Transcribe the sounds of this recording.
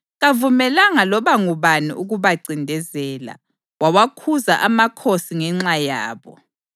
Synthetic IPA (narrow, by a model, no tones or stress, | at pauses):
ɣavumɛlaŋalɔβaŋuβanḭuɣuβaǀindʱɛzɛːla̰ | wawakʰuzaʔamakʰosiŋɛŋ͡ǁajaːβɔ̰